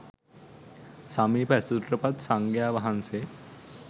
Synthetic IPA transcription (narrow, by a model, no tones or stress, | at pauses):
samipɐsut̪ɾɐpɐt̪sɐŋɡjaːʋɐɦɐnse